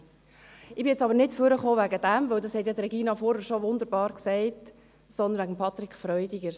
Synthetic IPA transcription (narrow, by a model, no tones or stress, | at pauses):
ɪbɪjɛt͡sɑbəɾnɪtføɾəχoːvæɡəd̥æmvɵwdɑshɛtjɑdɾɛɡiːnɑfɔɾhəɾʃoʋʊnd̪əɾbɑːɾksɛɪt | sɔnd̪ənʋæɡəm̩pʰɑt̪ɾikʰfɾœʏdiɡəɾ